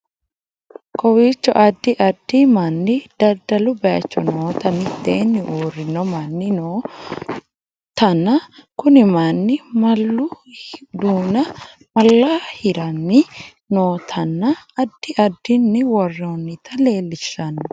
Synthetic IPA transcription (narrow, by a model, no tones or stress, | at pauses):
kɔwiːt͡ʃːɔ̰ʔɐd̪ːɪʔɐd̪ːɪmɐnːɪd̪̥ɐɾd̪ɐlʊbɐɐt͡ʃːɔnoːt̪ɐnɪd̪eːnːɪʔuːrːɪnɔmɐnːɪnoː | t̪ɐnːɐkʊnɪmanːɪmɐlːʊd̪uːnɐ | mɐlːahɪɾɐnːɪ | noːt̪ʰɐnːɐːd̪ːɪʔɐd̪ːɪnːɪwɔrːonːɪt̪ʰɐle̞ːlːɪʃːɐn